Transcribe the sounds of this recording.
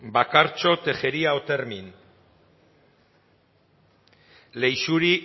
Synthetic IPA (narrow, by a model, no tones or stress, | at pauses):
bakaɾt͡ʃo̞t̪e̞xe̞ɾiaot̪e̞ɾmin | le̞jsuɾi